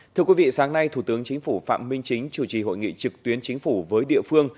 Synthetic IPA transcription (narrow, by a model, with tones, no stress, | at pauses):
t̪ʰɨ˧əkwi˨˦vḭ˧˨saː˨˦ŋna˧jt̪ʰu˧˩t̪ɨ˨˦əŋt͡ɕï˨˦ŋ̟fu˧˩fa̰ː˧˨mmï˧ŋ̟t͡ɕï˨˦ŋ̟t͡ɕu˧˩t͡ɕi˨˩ɦo̰˧˨jŋḭ˧˨t͡ɕɨ˨˩k̚t̪wi˨˦ənt͡ɕï˨˦ŋ̟fu˧˩vəː˨˦jɗḭ˧˨əfɨ˧əŋ